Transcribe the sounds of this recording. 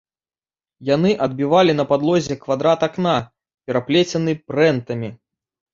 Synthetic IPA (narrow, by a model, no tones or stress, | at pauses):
janɨʔɐd̪̚bʲivalʲinɐpad̪lˠɔzʲɛkvad̪ɾat̪akna | pʲɛɾaplʲɛt͡sʲɐnɨpɾɛnt̪ɐmʲi